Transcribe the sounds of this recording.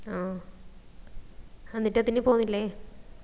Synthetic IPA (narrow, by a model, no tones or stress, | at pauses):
aː | enːiʈːɐt̪ːinːepoːunːilːe